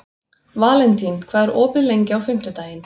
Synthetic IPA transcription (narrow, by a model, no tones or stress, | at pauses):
vaːlɛnt̪inkʰvaːðɾʔɔːpɪðlejɲcɪawfɪm̥t̪ʏt̪aːjɪn